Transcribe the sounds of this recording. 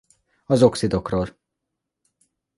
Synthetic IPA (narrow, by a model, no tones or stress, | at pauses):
ɒzo̞ksid̪o̞kroːl